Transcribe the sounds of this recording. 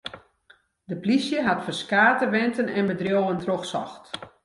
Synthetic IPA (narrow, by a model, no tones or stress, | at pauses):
dəplisjəɦatfərskaːtəʋɛntənɛnbədrjoːwəntroxsɔ̰xt